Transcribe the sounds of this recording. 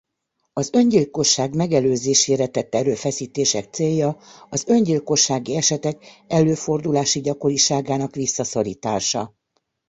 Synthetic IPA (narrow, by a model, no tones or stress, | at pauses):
ɒzø̞ɲɟilko̞ʃːaːɡmɛɡɛløːzeːʃeːɾɛt̪ɛt̪ːɛɾøːfɛsiːt̪eːʃɛk̚t̪seːjːɒɒzø̞ɲɟilko̞ʃːaːɡiɛʃɛt̪ɛkɛlːøːfo̞rd̪ulaːʃiɟɒko̞ɾiʃaːɡaːnɒkʋisːɒso̞ɾḭːt̪a̰ːʃɒ